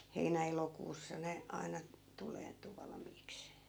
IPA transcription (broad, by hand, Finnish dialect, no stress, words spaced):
heinæ elokuːsːɑ ne ɑinɑ tuleːntu ʋɑlɑ̆miːks